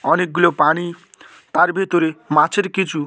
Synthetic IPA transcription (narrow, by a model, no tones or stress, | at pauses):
ɔnek̚ɡulopaɽ̃i | t̪aɾbʱet̪oɾemãt͡sʰeɾkit͡ʃʰu